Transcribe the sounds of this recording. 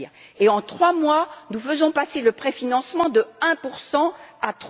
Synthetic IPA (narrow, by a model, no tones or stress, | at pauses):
eɑ̃t̪χwamwanufəzɔ̃paseləpχefinɑ̃smɑ̃d̪əɛ̃puʁsɑ̃at̪χ